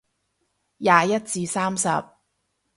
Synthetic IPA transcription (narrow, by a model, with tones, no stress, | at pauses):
jaː˧jɐ˥t̚t͡siː˧saː˥msɐ̰˨p̚